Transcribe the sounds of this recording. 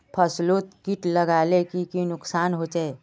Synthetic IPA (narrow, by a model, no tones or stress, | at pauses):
pʰəsloːt̪kiʈləɡaːlekikinʊksaːnɦot͡ʃɛe